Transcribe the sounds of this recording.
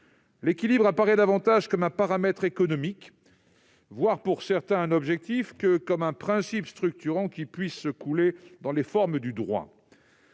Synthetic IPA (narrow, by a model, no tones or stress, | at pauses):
lekʲilibʁapaʁɛd̪avɑ̃t̪aʒkɔmɛ̃paʁamɛt̪χekɔnɔmik | vwaʁpuʁsɛʁt̪ɛ̃ɛ̃nɔbʒɛk̚t̪ifkəkɔmɛ̃pχɛ̃sipst̪χyk̚t̪yʁɑ̃kʲipɥisːəkuled̪ɑ̃lefɔʁmd̪yd̪ʁwa̰